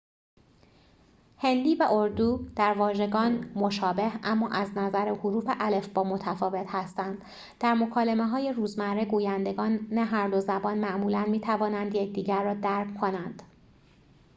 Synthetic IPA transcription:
he̞nd̪iːvæʔoɾd̪uːd̪̥æɾvɒːʒe̞ɡɒːnmo̞ʃɒːbe̞hæmːɒːʔæznæzæɾehoɾuːfeʔæle̞fbɒːmo̞t̪ʰæfɒːve̞t̪hæst̪ænd̪̥ | d̪̥æɾmo̞kʰɒːlemeɦɒːje̞ɾuːzmæɾeɡuːjænd̪e̞ɡɒːnːæɦæɾd̪o̞zæbɒːnmæʔmuːlænmiːt̪ʰævɒːnænd̪jecʰd̪iːɟæɾːɒːd̪æɾbkʰonænd̪̥

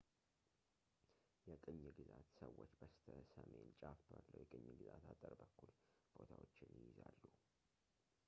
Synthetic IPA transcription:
jɛkʼɨɲːɨɡɨzat̪səwːot͡ʃːb̥əst̪ʰəsəme̞nt͡ʃʼafalːəwjɛkʼɨɲːɨɡɨzat̪ʰat̪ʼəɾbəkːulb̥o̞t̪ʰawot͡ʃːɪnjɪjɪzalːu

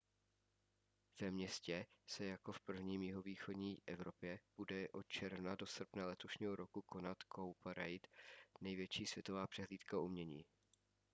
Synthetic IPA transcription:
v̥ɛmɲɛscɛsɛjako̞fpr̩vɲiːmjɪɦo̞viːxo̞dɲiːʔɛvɾo̞pjɛb̥udɛʔo̞t̪̚t͡ʃɛɾvnadosr̩pnalɛt̪o̞ʃɲiːɦo̞ɾo̞kukʰo̞nat̪kʰowpaɾɛjt̪nɛjvjɛt͡ʃiːsvjɛt̪o̞vaːpr̥ɛɦliːt̪kaumɲɛɲiː

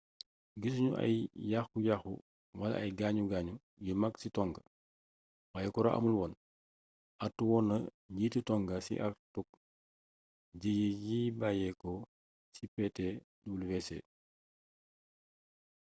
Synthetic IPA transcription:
ɡis̬ɲuʔɐ̰jjaxkujaxṵ | wɐlɐ̰ɐjɡaːɲuɡaːɲu | jimɐksitɔŋɡɐ | wajɛkɔɾɐʔɐ̰mulwɔːn | ʔɐtːuwɔːnːɐ | jititɔŋɡɐsḭʔaktuk̚ | d͡ʒijijibajɛkɔ | sipɛtɛ | dulwɛsɛ̰

